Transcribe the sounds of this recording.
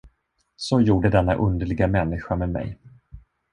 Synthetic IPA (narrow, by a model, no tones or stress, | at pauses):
sojuːɖəd̪ɛnːaʔɵnd̪əɭɪɡamɛnːɪɧameːmɛ̰j